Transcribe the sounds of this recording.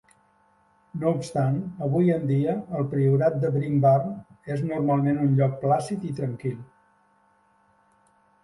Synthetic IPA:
noupst̪anəβ̞ujənd̪iəːlˠpɾiuɾat̪̚d̪əβɾimbarn | eznurmalˠmenunʎɔk̚plasit̪it̪ɾəŋkilˠ

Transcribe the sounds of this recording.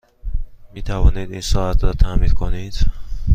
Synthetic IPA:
mit̪ʰævɔnid̪insɔat̪ʰɾɔt̪ʰamid̪kʰonid̪̥

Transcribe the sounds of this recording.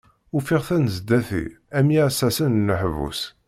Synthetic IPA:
ufiʁθænəzd̪æθḭ | æmjæsæsənnːəħvṵs

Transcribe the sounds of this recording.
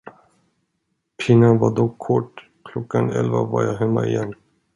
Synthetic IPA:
pʰɪnavad̪ɔkʰːɔʈː | kʰlɔkːanɛ̰lvavaɾjaːɦɛmːaɪjɛnː

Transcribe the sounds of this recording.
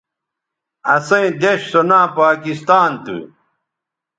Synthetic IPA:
ɐsɐ̃ĩd̪eɕsonãːpaːkist̪aːnt̪ṵ

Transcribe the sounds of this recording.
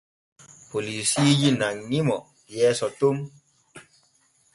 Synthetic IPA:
polisijinaŋɲimɔ | jɛsɔtom

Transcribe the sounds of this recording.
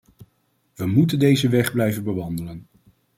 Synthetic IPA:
ʋəmutəndejzəʋɛχblɛjvənbəʋɑndələn

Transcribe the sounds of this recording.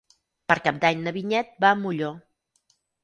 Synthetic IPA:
pəɾkap̚d̪aɲnəβiɲɛt̪̚bamuʎo

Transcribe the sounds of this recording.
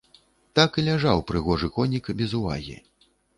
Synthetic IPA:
t̪akɨlʲaʐawpɾɨɣɔʐɨkɔnʲikbʲɛzuva̰ɣʲḭ

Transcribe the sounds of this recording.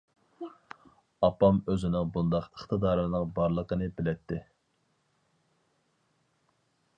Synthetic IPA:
ɑpɑmøzɪnɪŋbund̪ɑqəχt̪ʰɨd̪ɑːɾɨnɨŋbɑɾlˠəqənɨbɪlɛt̪ʰːɪ

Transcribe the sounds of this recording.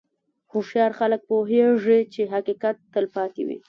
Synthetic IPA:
hoʃjɑɾxalək̚poɦeʐit͡ʃeɦaqikat̪ːəlpɑt̪ḛwḭ

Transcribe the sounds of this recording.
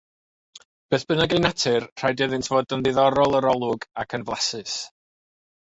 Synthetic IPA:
b̥eːθb̥ɨnaɡejnatʰɪrr̥ajdɛðɪntʰv̥oːdənðɪðɔɾɔlˠəɾɔlˠʊɡakʰənvlˠasɨs

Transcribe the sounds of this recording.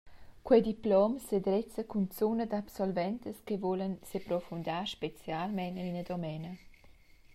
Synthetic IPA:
kwɛd̪iplɔmsed̪ɾɛt͡səkunt͡sunəd̪apsɔlvɛnt̪əskevolənsepɾɔfund̪aʃpet͡sjalmɛnəinəd̪omɛnə

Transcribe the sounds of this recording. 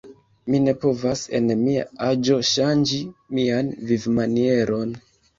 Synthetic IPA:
mine̞po̞vase̞̰nmia̰ad͡ʒo̞ʃand͡ʒimianvivmanie̞ɾo̞n

